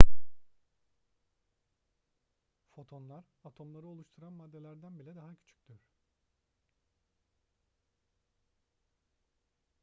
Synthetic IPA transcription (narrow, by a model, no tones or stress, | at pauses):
fo̞t̪ʰo̞nlˠaɾat̪ʰo̞mlˠaɾɯo̞lˠuʃt̪ʰuɾanmad̪ːe̞lʲæɾd̪ænbilʲɛd̪aɦacʰy̥t͡ʃʰy̥c̚d̪yɾ̥